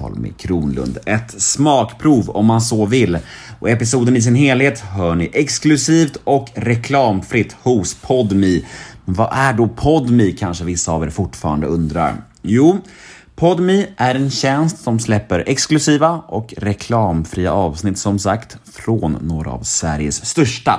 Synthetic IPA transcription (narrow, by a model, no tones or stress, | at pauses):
ɔ̰lmɪ̰kʰɾuːnlɵ̰nd̪ɛt̪smɑːkpʰɾuːvɔ̰mːansoːvɪlːɔɛpɪsuːd̪ənɪs̬ɪnɦeːlheːt̪ɦœːɳɪʔɛksklɵsiːft̪ɔkɾɛkʰlɑːmfɾɪt̪ːhʊspʰɔd̪miɛnvaʔæɖɔpʰɔd̪mikʰanʂəvɪsːaːvḛːɾfʊʈːfɑːɾand̪ə̰ɵnd̪ɾa̰ɾ | juː | pʰɔd̪miʔæɾɛnɕɛnst̪sɔmslɛpːəɾɛksklɵsiːvaʔɔkɾɛkʰlɑːmfɾiːa̰ʔɑːvsnɪt̪ːsɔmsa̰kt̪fɾoːnːoːɾa̰ːvsvæɾjəsːt̪œʂʈa̰